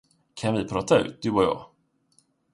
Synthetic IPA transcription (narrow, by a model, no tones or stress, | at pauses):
kʰanvɪpʰɾɑːt̪ʰaʉ̟ːt̪̚d̪ɵɔjɑ̰ː